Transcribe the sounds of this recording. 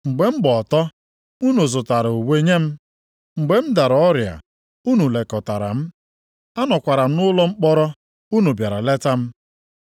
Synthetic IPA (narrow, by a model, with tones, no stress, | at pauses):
ŋ͡m̩˨ɡ͡be˨m̩˦ɡ͡bɔ˨tɔ˦ | u˦nu˨zʊ˨ta˨ɾu˨we˦ɲe˦m̩˦ | ŋ͡m̩˨ɡ͡be˨m̩˦da˨ɾɔ˦ɾja̰˨ | u˦nu˨le˨kɔ˨ta˨ɾa̰˨m̩˦ | a˦nɔ˨kʷa˨ɾa˨m̩˦nʊ˦lɔ˦ŋ͡m̩˦k͡pɔ˦ɾɔ˦ | u˦nu˨bja˨ɾa˨le˦ta˦m̩˦